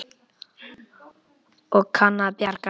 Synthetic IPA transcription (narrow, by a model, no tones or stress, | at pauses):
ɔkʰanːapjaɾka